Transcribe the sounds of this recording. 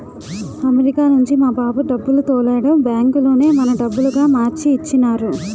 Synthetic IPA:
ɐmeɾikaːnuɲt͡ʃimaːbaːbuɖɐbːulut̪oːlɛːɽɐmbjaːŋkulo̞ːne̞ːmɐnɐɖɐbːuluɡaːmaːɾt͡ʃiːt͡ʃːinaːɾu

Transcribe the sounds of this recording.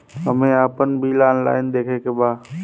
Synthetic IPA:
ɦəmẽaːpənbʱilaːnla̰ːɪnɪ̆d̪eːkʰekʰebaː

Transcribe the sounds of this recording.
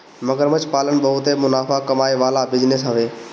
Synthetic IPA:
məɡəɾmət͡ʃpaːlən̆ɓəɦʊt̪emʊnaːfakɐmaːeʋaːlabɪd͡ʒnɪsɦəʋeː

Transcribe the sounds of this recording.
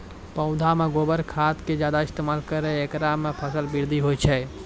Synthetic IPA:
pə̃ʊ̃d̪ʱameɡobəɾkʰat̪ked͡ʒjad̪aɪst̪emalkəɾɛekɾamepʰəsəlbiɾd̪ʱiɦojt͡ʃʰɛ

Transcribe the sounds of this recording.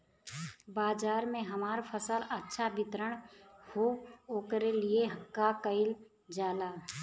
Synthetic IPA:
baːd͡ʒaːɾmẽɦɐmaːɾpʰəsələtːʃʰabɪt̪ɾəɽ̃hooːkɾelieɦkakəɪl | d͡ʒaːlaː

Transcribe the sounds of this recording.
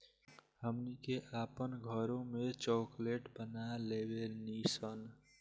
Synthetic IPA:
həmnikeʔaːpənɡʱəɾõmet͡ʃɔːkleʈbənalebenisən

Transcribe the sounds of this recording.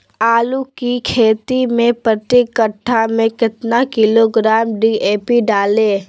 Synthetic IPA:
aːlukikʰeːt̪imẽpɾət̪ɪkəʈʰːamẽkɪt̪nakɪloɡɾaːmɖieːpiɖaːleː

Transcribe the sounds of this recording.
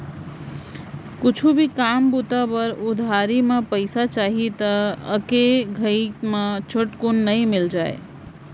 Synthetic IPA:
kut͡ʃʰubʱikambut̪apəɾud̪ʱaɾimepəɪsat͡ʃaɦit̪əə̰keɡʱəikmet͡ʃʰəʈkunːəjmild͡ʒae

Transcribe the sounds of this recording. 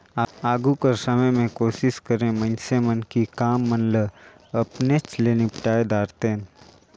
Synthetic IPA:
aːaːɡukəɾsɐməjmẽkoːʃɪʃkəɾẽmə̃nsemənkikaːmːənlə | ɐpnet͡ʃleːnipʈaːed̪aːɾt̪ẽːn

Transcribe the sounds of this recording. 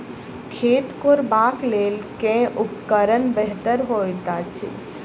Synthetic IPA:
kʰeːt̪koɾbaːkleːlkẽʊpkəɾənbɛɦt̪əɾɦojt̪at͡ʃʰḭ

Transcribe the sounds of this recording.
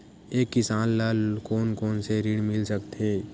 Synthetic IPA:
eːkːɪsaːnlaːlkoːnkoːnseɾiɽmɪlsəkt̪ʰeː

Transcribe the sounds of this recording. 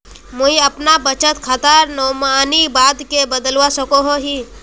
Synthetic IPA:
mʊɦĩəpnabət͡ʃət̪kʰət̪aɾnomaːnibaːd̪kebəd̪əlʋasəkoɦoɦi

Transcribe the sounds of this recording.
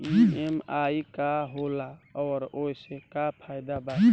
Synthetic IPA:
iemaikaɦolaɔːɾojsekapʰajd̪aba

